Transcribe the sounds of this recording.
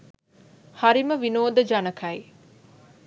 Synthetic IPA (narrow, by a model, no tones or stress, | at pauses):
hɐɾiməʋinoːd̪ɐd͡ʒɐnɐkʰɐi